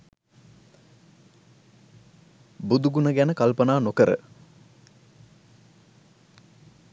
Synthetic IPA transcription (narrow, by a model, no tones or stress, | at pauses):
bud̪uɡunəɡænəkalpənaːnokəɾə̰